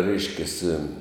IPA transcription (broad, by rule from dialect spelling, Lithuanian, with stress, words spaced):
ˈrʲɛɪʃʲkʲɛsʲɪ